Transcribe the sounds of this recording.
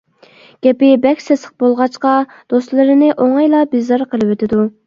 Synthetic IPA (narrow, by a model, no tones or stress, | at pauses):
ɡ̥ʲɛpɪbɛkʲsɛsə̥q̚bolˠʁɑt͡ʃqɑ | d̪̥ost̪lˠɨɾɨnɪʔoŋɑjlˠɑbizɑɾqʰəlˠɨwøt̪ʰɪd̪u